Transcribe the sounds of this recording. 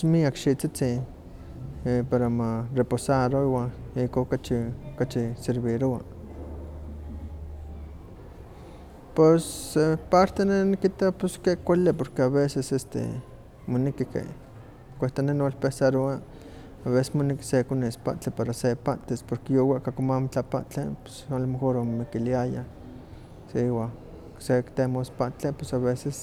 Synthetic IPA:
miakʃiʔt͡sit͡sin | paɾamareposaɾoiwanikokat͡ʃiokat͡ʃiseɾβiɾoa | pesːepaɾt̪enenikit̪apeskekʷalipoɾkeaβesesest̪ḛ | monikikḛ | kʷeht̪anenolpesaɾoa | aβese̥smoniki̥sekonespa̰ʔt͡ɬepaɾasepaʔt͡ɬ̪espoɾkejowaʔkakomamot͡ɬapa̰ʔt͡ɬepe̥solmexoɾomomikiliaja | seiwa | sekt̪emospaʔt͡ɬepesaβeses

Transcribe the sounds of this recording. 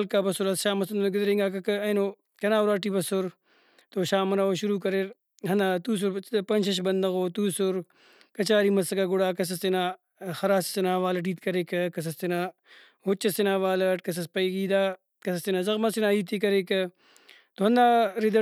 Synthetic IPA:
lkaːbɐsʊɾɐsʃaːmɐsɐnd̪nɡɪd̪ɾeŋɡaːkɐkɐɐnoː | kɐnaːuɾaːʈiːbɐsʊɾ | t̪oʃaːmɐnaːoʃuɾuːkɐɾeɾ | ɦɐnd̪aːt̪uːs̬ʊɾpɐnʃʰɐʃ̬bɐnd̪ɐɣoːt̪uːsʊɾ | kɐt͡ʃaːɾiːmɐsɐkaɡʊɽaːkɐs̬ɐsinaː | xɐɾaːsɐ̥sinaːʋaːlɐʈ̬iːt̪kɐɾekɐkɐs̬ɐst̪inaː | ɦot͡ʃːɐsinaːʋaːlɐʈkɐs̬ɐspɐiɡiːd̪aː | kɐsɐst̪inaːzɐɣmasinaːiːt̪iːkɐɾeːkɐ | t̪oɦɐnd̪aːɾid̪ɐ

